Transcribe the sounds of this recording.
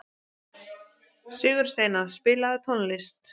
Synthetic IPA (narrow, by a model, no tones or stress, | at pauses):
sʏːɣʏɾ̥st̪eːjnaspɪːlaðʏt̪ʰɔnlɪst̪